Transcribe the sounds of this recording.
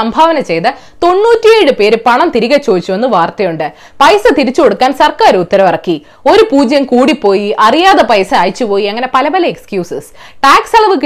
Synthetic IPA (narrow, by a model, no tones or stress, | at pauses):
ɐmbʱaːʋɐnɐt͡ɕe̞jt̪ɐ | t̪o̞nːuːtːijejɻɨpe̞ːɾupɐɳɐmt̪iɾiɣɐt͡ɕːo̞ːd̪it͡ɕːuʋenːɨʋaːrt̪ɐjuɳɖɨ | pɐjsɐt̪iɾit͡ɕːuko̞ɽukːaːnsɐrkaːɾut̪ːɐɾɐmɐrɐkːi | o̞ɾupuːd͡ʑjɐmkuːɽipːo̞ːjiʔɐrijaːðɐpɐjsɐaːjit͡ɕːupo̞ːjiɐŋːɐne̞pɐlɐpɐlɐekskjuːsɨs | ʈaːksɐɭɐʋɨk̬ːɨ